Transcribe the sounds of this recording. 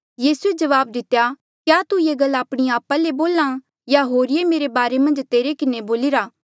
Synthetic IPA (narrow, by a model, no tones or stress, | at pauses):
jiːsued͡ʒɐʋaːb̚d̪ɪt̪ːeja | kjat̪ujeɡɐlːaːpɽ̃iaːpaleboːlã | jaɦoːɾɪemeːɾebaːɾemɐ̃nd͡ʒt̪eːɾekɪneboːlɪɾaː